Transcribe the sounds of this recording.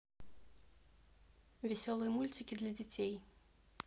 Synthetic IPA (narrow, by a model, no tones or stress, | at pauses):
vʲɛsʲɔlˠɨjɐmulʲt͡sʲikʲid̪lʲɐd͡zʲat͡sʲej